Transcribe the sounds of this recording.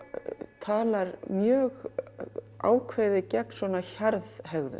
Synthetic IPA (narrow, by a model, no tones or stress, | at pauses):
t̪ʰaːlaɾmjœːɣ | a̰ːwkʰveːjðɪcɛk̚n̥svɔnaçaɾðhɛɣðʏ̰